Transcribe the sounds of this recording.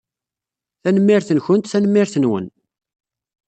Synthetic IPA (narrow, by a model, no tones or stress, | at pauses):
θænəmːiɾθənçənt̪θænəmːɪɾθənwə̰n